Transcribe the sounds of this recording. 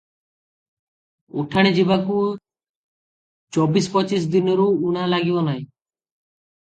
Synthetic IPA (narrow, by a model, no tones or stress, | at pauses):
o̰ʈʰaɽ̃ed͡ʒibaku | t͡ʃɔbispɔt͡ʃis̬d̪inɔɾuːɽ̃alaɡibɔnaj̃